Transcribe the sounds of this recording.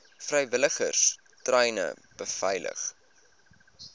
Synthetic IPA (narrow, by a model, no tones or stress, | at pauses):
frɐjvələχərs | trɛjnə̰b̥əfɐjlə̰χ